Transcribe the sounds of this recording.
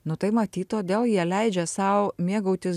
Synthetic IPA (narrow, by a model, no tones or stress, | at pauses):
nʊt̪ɐɪmɐt̪ʲiːt̪t̪oːd̪ʲeːlˠjiɛlʲɛɪd͡ʒʲɛsɐʊmʲiɛɡɐʊt̪ʲɪ